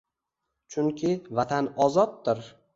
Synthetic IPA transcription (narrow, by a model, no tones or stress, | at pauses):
t͡ʃʰʊŋkʲʰɪvat̪ʰanɒzɒt̪̚ːɪɾ